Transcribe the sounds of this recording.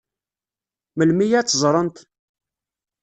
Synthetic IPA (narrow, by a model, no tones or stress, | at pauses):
məlmijæt͡sːzˤɾˤənt̪